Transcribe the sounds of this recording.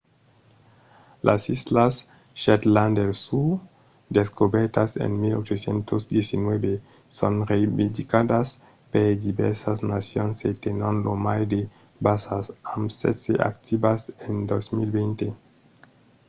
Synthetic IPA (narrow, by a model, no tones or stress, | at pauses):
lʔasislas | ʃet̪land̪elsu | d̪eskobeɾt̪asḛnmilot͡ʃosjent̪osd̪jesinwebe | sonɾeibid̪ikad̪as | peɾd̪ibeɾsasnasjonset̪enonlomajd̪e | basasamsḛsḛʔa̰kt̪ʰibasend̪osmilbent̪e